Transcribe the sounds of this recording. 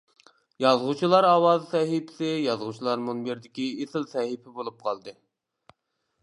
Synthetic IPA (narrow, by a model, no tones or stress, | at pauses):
jɑzʁut͡ʃʰilˠɑɾɑwɑːzsɛɦipʰɪ̥sɪjɑzʁut͡ʃʰilˠɑɾmunbeɾd̪ɪkʲiesɪlsɛhipʰɪbolˠup̚qʰɑlˠd̪ɨ